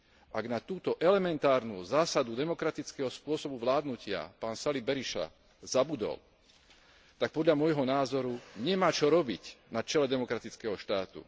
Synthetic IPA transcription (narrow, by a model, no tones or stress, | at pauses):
aɡnat̪uːt̪ɔʔɛlɛmɛnt̪aːɾnṵːzaːsad̪ud̪ɛmɔkɾat̪it͡skɛɦɔspʊɔsɔbuʋlaːd̪nucɪa̰paːnsalibɛɾiʃa̰ | zabud̪ɔ̰l | t̪ak̚pɔd̪ʎamʊɔjɦɔnaːzɔɾuɲɛmaːt͡ʃɔɾɔbicnat͡ʃɛlɛd̪ɛmɔkɾat̪it͡skɛɦɔʃt̪aːt̪ṵ